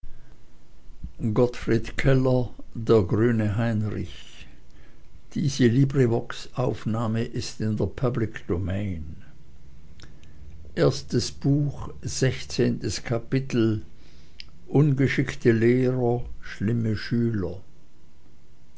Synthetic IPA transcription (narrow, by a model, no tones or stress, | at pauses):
ɡɔtfʁ̥iːtkʰɛlɐdeːɐɡʁyːnəɦaɪnʁɪ̰ç | d̥iːzəliːbʁivɔksʔaʊfnaːməʔɪstɪndeːɐpʰablɪkd̥omɛɪn | ʔeːɐstəsb̥uːxz̥ɛçt͡seːntəskʰapɪtl̩ | ʔʊnɡəʃɪktʰəleːʁɐʃlɪməʃyːlɐ